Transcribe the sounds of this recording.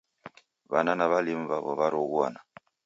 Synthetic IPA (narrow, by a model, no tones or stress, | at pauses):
βananaβalim̩βaβɔβaɾoɣwa̰na